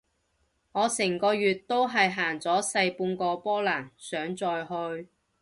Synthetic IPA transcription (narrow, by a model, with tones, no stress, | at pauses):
ŋɔː˨˧sɛː˨˩ŋkɔː˧ɥyː˨˩t̚t̪ːo˥wɦɐ˨jɦaː˨˩ŋt͡sɔː˨˥sɐ˧jpuː˧nkɔː˧pɔː˥laː˨˩ŋsœː˨˥ŋt͡sɔː˨jɦɵ˧ɥ